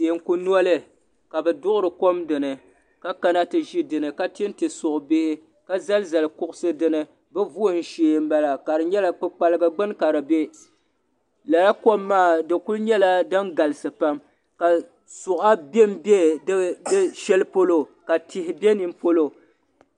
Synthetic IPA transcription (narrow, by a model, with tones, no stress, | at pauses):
se˨ŋ̩˦ku˦nu˦ɔ˦lɨ˦ | ka˨bɛ˨dʊ˦ʔʊ˦ɾɨ˨ko˦mdɨ˨nɨ˨ | ka˦ka˦na˦tɨ˨ʒi˦dɨ˨nɨ˨ka˦tːn˦tɨ˨sʊ˨ʔbɪ˦hɪ˦ | ka˦za˦lza˨lkʊ˦ʔʊ˦sɨ˦dɨ˦nɨ˦ | bɛ˦vu˦o˦n̩˦ʃeː˦˨˦m̩˦ba˦la˨ka˨ɾɨ˨ɲɛ˦la˦k͡pɨ˦k͡pa˦lɨ˦ɡa˦ɡ͡bɨ˦nka˨ɾɨ˨be˦ | la˨la˦ko˦mːaː˦˨dɨ˨ku˦lɲɛ˦la˦dɨ˦ŋɡa˨lɨ˨sɨ˨pa˦m | ka˨ | sʊ˨ʔa˦be˦m˦be˦dɨ˦ʃɛ˦lpo˦lo˦ka˨tɪ˨hɪ˦bʲɛ˦ni˦m˦po˦lo˨